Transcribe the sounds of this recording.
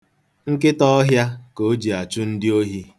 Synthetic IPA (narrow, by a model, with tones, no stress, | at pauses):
ŋ̩˦kɪ˦tɔ˦ɦja˦ko˨˦d͡ʒi˨a˨t͡ʃʊ˦n̩˦dɪ˦o˦ɦi˦